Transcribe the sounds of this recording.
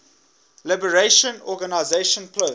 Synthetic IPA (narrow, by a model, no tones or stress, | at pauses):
lɪbəɹeʃə̃nɔɡanaɪzeʃə̃npʰlo